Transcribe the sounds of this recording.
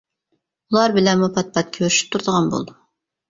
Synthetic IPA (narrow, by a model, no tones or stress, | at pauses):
ulˠɑɾbɪlɛnmupʰɑt̪̚pʰɑt̪̚kʲʰøɾyʃy̥p̚t̪ʰuɾd̪əʁɑnbo̰lˠd̪u